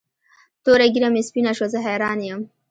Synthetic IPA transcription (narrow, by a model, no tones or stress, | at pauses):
t̪oɾaɡiɾamespinaʃozəɦejɾɑːnjəm